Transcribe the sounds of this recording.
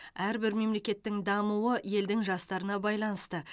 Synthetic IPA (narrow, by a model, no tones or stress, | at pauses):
æɾbɪɾme̞mle̞kʲe̞t̪ːɪŋd̪ɑmuwəje̞ld̪ɪŋʒɑst̪ɑɾənɑbɑjlˠɑnəst̪ə